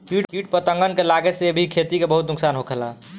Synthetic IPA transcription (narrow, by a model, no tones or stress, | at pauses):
kiʈkiʈ̚pət̪ə̃ŋɡənkelaɡeseebʱikʰet̪ikebəɦut̪nuksaːnɦokʰɛla